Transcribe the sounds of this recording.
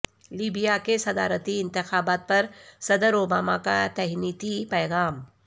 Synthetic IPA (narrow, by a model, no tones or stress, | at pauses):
liːbijakesɐd̪a̰ːɾət̪iɪ̃nt̪ɪxaːbaːt̪̚pɐɾsɐd̪əɾoːbaːmakat̪ɛɦniːt̪ipɛːɣaːm